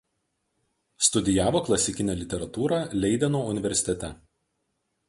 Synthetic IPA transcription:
st̪ʊd̪ʲɪjæːʋoːklˠɐsʲɪkʲɪnʲeːlʲɪt̪ʲɛɾɐt̪uːɾɑːlʲɛɪd̪ʲɛnoːʊnʲɪʋʲɛɾʲsʲɪ̥t̪ʲɛt̪ʲɛ

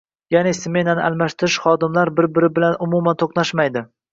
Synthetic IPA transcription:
janesme̞nanɪʔalˠmaʃt̪ʰɪɾɪʃχɒd̪ɪmlaɾbɪɾbɪɾɪbɪlanʊmumant̪ʰoqnaʃmajd̪ɪ

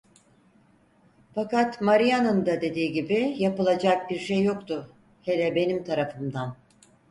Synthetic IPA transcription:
fakat̪maɾijanɯnd̪ad̪e̞d̪iːɟibijapɯlˠad͡ʒak̚biɾʃejːo̞kt̪ʊ | helɛbe̞nimt̪ʰaɾafɯmd̪an

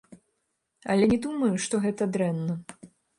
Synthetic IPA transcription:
ɐ̰lʲɛnʲɛd̪umɐjuʂt̪ɔɣɛt̪ɐd̪ɾɛnːɐ

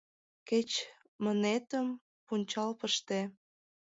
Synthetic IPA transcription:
ket͡ɕ | mə̆net̪əm | punʲt͡ɕɑlpəʃt̪e

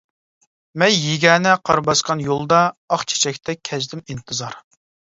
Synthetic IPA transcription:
mɛnjeɡʲɛːnɛqʰɑ̰ɾbɑsqʰɑnjolˠd̪ɑːχt͡ʃʰe̥t͡ʃʰɛkʲt̪ʰɛkʲʰɛzd̪ɪmint̪ʰɨzɑɾ

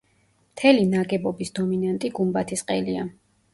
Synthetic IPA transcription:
mt̪ʰɛlinaɡɛbɔbisd̪ɔminant̪ʼiɡumbat̪ʰisqʼɛlia

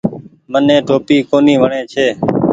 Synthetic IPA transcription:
mənẽːʈoːpiːkoːniːʋəɳẽːt͡ʃʰeː

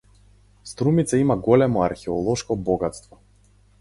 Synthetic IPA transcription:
st̪ɾumit̪saimaɡɔlɛmɔaɾxɛɔlˠɔʃkɔbɔɡat̪st̪vɔ

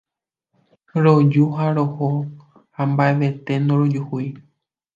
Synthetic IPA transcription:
ɾod͡ʒuɦaɾoho | hambaeʋe̞t̪e̞nõɾod͡ʒuhui

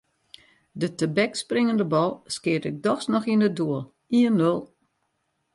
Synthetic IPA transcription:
dətəbɛksprɪŋəndəbɔlˠskɪətɪk̚dɔxsnɔxinədoəlˠ | iənːølˠ

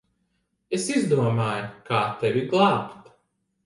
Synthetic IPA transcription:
esizd̪uɔmaːjkaːt̪ɛvʲiɡlˠɑːpt̪

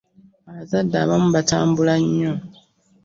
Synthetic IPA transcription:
aβazadːaːβamuβataːmbulaɲːo

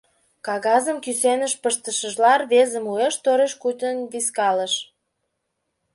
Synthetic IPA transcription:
kɑɣɑzəmkysenəʃpəʃt̪əʃəʒlɑrβezə̆mueʃt̪oɾeʃkut̪ənβiskɑləʃ

